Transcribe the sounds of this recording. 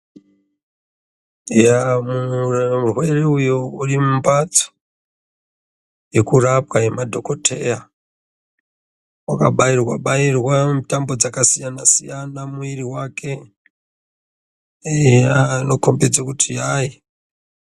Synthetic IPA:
jamuurrwe̞reujourimumbat͡so̥ | jekurap̚kae̞madʱo̞ko̞tʰe̞ja | wakaɓairwa̰ɓairwamtambo̞d͡zakasijanasijanamuiriwakʰe̞ | ano̞kombed͡zakutʰijaːji

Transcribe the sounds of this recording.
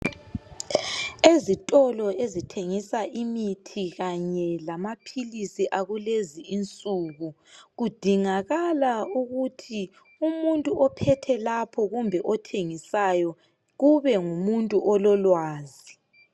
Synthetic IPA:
ezitʼɔlɔezitʰeŋisaʔimitʰiɣaɲɛlamapʰilisiʔaɣuleziint͡sʼuɣu | ɣud̥ʱiŋaɣalauɣutʰi | umuntʼuʔɔpʰɛtʰɛlapʰɔɣumbʱɛʔɔtʰeŋisajɔ | ɣuβɛŋumuntʼuʔɔlɔlwaːzi

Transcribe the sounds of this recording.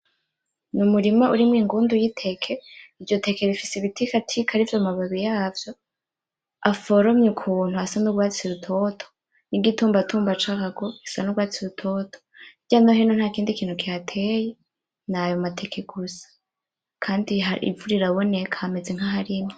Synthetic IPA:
numuɾimauɾimŋiːŋɡuːndujitʰe̞kʰe̞ivjo̞te̞keɾifisiβitʰikatʰikaɾivjomaβaβijaːvjo̞ | afoɾomɲukʰun̥huasanuɡwaːt͡siɾutʰo̞tʰo̥ | niɡituːmbatʰuːmbat͡ʃaaɡo̞isanuɡwaːt͡siɾutʰo̞tʰoiɟanaɦenon̥haːkiːndikiːn̥hukiatʰeje | najomatʰe̞kʰeɡ̥usḁ | kʰaːndiɦaḭvuɾiɾawone̞kʰaːme̞ze̞ŋ̥haɦaɾimo

